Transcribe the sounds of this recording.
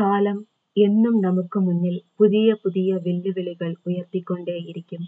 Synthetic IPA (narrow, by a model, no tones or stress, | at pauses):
kaːlɐm | ɛnːɯmnɐmɐkːɯmʊnːɪlpʊðɪjɐpʊðɪjɐʋɛlːɯʋɛɭɪɣɐɭʊjɐrt̪ikːoɳɖeːjɪɾɪkʲːɯm